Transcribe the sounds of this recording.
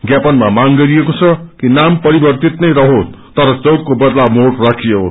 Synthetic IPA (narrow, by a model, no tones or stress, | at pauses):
ɡjapʌnmamaŋɡʌɾiekot͡sʰʌkinampʌɾibʌrt̪it̪nʌjɾʌɦot̪ʌɾʌt͡sʌwɡ̚kobʌd̪lamoʈrakʰijeo̰